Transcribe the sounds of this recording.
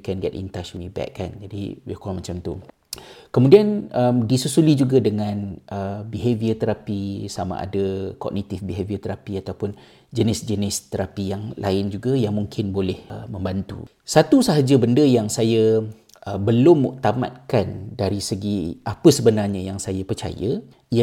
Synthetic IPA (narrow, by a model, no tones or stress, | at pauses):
kɛnɡɛt̪̚ḭnt̪aʃunibɛ̰kːa̰nd͡ʒadḭwikɔmat͡ʃamt̪u | kəmudianəmdisusulid͡ʒuɡadəŋãnəbiɦeviət̪əɾapisamã̰ʔa̰dakɔ̰ɡ̚nit̪ɪfbiɦeviət̪əɾapiat̪awpʊn | d͡ʒənɪsd͡ʒənɪst̪əɾapijaŋlʔa̰ɪnd͡ʒuɡajaŋmuŋkʰɪnbolɛhmə̃mbant̪ṵ | sat̪usaɦad͡ʒabəndəjaŋsaja | əbəlʊmːṵʔt̪ama̰t̪̚kandaɾisəɡiʔapəsəbənarɲəjaŋsajapərt͡ʃa̰ja̰ | i